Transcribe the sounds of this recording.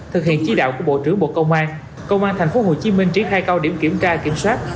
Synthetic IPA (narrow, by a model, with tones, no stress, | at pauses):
t̪ʰɨ˨˩hḭ˧˨ənt͡ɕi˨˦ɗa̰ː˧˨wku˧˩əɓo̰˧˨t͡ɕɨ˧˥əŋɓo̰˧˨˩kə˧wŋ͡mʔaː˧n | kə˧wŋ͡mʔaː˧nt̪ʰa˨˩jŋ̟fo˨˦ɦo˨˩t͡ɕi˨˦mï˧ŋ̟t͡ɕi˧˥xaː˧jka˧wɗi˧˩mki˧˩əmt͡ɕaː˧ki˧˩˦əmswaː˦˥t̚